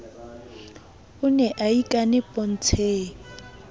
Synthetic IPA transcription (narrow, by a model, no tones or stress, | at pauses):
ʊnɛʔaikʼanɪpʼɔn̩t͡sʰeːŋ